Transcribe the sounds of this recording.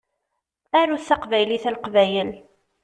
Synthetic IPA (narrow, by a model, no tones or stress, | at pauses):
æɾuθːɑqvæjliθælqvæjəl